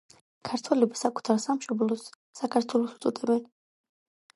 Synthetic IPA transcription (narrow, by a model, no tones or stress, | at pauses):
kʰaɾt̪ʰwɛlɛbasakʰu̥t̪ʰaɾsamʃɔblˠɔsː | akʰaɾt̪ʰwɛlˠɔsu̥t̪sʼɔd̪ʰɛbɛn